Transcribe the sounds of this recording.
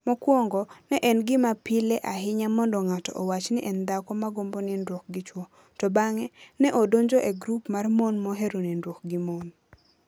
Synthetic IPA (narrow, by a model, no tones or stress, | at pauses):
mɔkwɔŋɡɔnɛʔɛnɡɪmapɪlɛʔaɦɪɲamɔndɔŋatɔ̰ʔɔwat͡ʃnɪʔɛnd̪akɔmaɡombonindwok̚ɡɪt͡ʃwɔ | tɔbaŋɛnɛʔodoɲd͡ʒoʔeɡɾupmarmonmɔɦeɾonindwok̚ɡɪmon